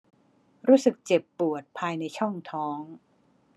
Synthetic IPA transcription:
ɾuː˦˥sɯ˨˩k̚t͡ɕe˨˩pːu˨˩ət̪̚pʰaː˧jna˧jt͡ɕʰɔ˥˩ŋt̪ʰɔː˦˥ŋ

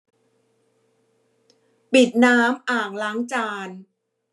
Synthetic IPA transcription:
pi˨˩t̪̚naː˦˥mʔaː˨˩ŋ̚laː˦˥ŋt͡ɕaː˧n

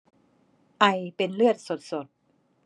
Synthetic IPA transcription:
ʔa˧jpe˧nlɯ˥˩ət̪̚so˨˩t̪̚so˨˩t̪̚

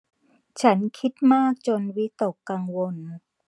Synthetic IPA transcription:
t͡ɕʰa˦˥nkʰi˦˥t̪̚maː˥˩k̚t͡ɕo˧nwi˦˥t̪o˨˩kːa˧ŋwo˧n

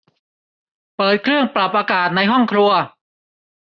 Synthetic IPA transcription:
pɤː˨˩t̪̚kʰɾɯ˥˩əŋpɾa˨˩p̚ʔaː˧kaː˨˩t̪̚na˧jɦɔ˥˩ŋkʰɾu˧ɐ

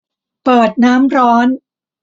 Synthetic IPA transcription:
pɤː˨˩t̪̚naː˦˥mɾɔː˦˥n

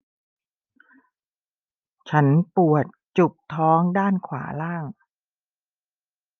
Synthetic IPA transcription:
t͡ɕʰa˦˥npu˨˩ət̪̚t͡ɕu˨˩p̚t̪ʰɔː˦˥ŋdaː˥˩nkʰwa̰ː˩˦laː˥˩ŋ

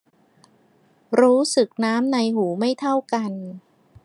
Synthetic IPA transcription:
ɾuː˦˥sɯ˨˩k̚naː˦˥mna˧jɦuː˩˦ma˥˩jt̪ʰa˥˩wka˧n

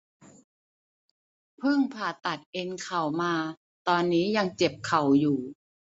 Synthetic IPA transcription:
pʰɯ˥˩ŋpʰaː˨˩t̪a˨˩t̪̚ʔe˧nkʰa˨˩wmaː˧ | t̪ɔː˧nːiː˦˥ja˧ŋt͡ɕe˨˩p̚kʰa˨˩wjuː˨˩

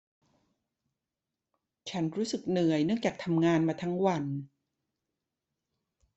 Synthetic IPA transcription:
t͡ɕʰa˦˥nɾuː˦˥sɯ˨˩k̚nɯ˨˩əjnɯ˥˩əŋt͡ɕaː˨˩k̚t̪ʰa˧mŋaː˧nmaː˧t̪ʰa˦˥ŋwa˧n

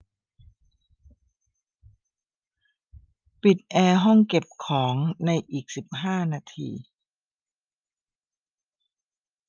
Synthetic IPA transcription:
pi˨˩t̪̚ʔɛː˧ɦɔ˥˩ŋke˨˩p̚kʰɔː˩˦ŋna˧jʔiː˨˩k̚si˨˩p̚ɦaː˥˩naː˧t̪ʰḭː˧

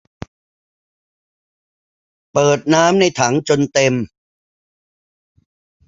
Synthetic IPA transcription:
pɤː˨˩t̪̚naː˦˥mna˧jt̪ʰa˩˦ŋt͡ɕo˧nt̪e˧m

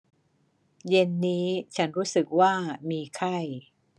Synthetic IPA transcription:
je˧nːiː˦˥t͡ɕʰa˦˥nɾuː˦˥sɯ˨˩k̚waː˥˩miː˧kʰa˥˩j

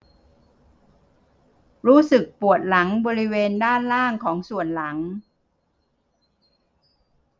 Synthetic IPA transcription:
ɾuː˦˥sɯ˨˩k̚pu˨˩ət̪̚la˩˦ŋbɔː˧ɾi˦˥weː˧ndaː˥˩nlaː˥˩ŋkʰɔː˩˦ŋsu˨˩ənla˩˦ŋ

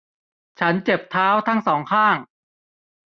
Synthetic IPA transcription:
t͡ɕʰa˦˥nt͡ɕe˨˩p̚t̪ʰaː˦˥wt̪ʰa˦˥ŋsɔː˩˦ŋkʰaː˥˩ŋ

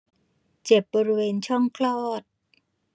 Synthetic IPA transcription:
t͡ɕe˨˩p̚bɔː˧ɾi˦˧weː˧nt͡ɕʰɔ˥˩ŋkʰlɔː˥˩t̪̚

